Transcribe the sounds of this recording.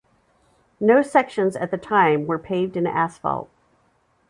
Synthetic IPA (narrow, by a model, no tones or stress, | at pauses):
noʊsɛkʃɨ̃nzɨ̰t̪̚ðɨtʰãɪ̃mwə˞pʰeɪvdɨ̃næsfɑ̰lˠt̚